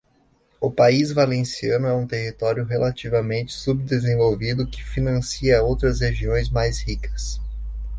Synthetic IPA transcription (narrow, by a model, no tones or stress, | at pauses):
ʊpaizvalẽsiɐ̃nʊɛũt̪eɦit̪ɔɾjʊɦelʔat͡ʃivɐmẽnt͡ʃɪ̥sub̚d̪ezẽvowvid̪ʊkɪ̥finɐ̃siɐowt̪ɾɐsheʒiõj̃zmajshikɐ̥s